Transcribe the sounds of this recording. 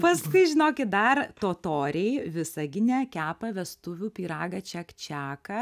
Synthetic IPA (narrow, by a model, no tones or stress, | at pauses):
pɐskʊɪʒʲɪnoːkʲɪt̪̚d̪ɐrt̪oːt̪oːɾʲeɪʋʲɪsɐɡʲɪnʲɛkʲæːpɐʋʲɛst̪ʊʋʲuːpʲiːɾɑːɡɐt͡ʃʲɛkt͡ʃʲæːkɐ